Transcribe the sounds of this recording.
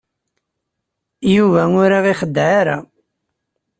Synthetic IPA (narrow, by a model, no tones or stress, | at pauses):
juvæʊɾaʁiχəd̪ːʕaɾa̰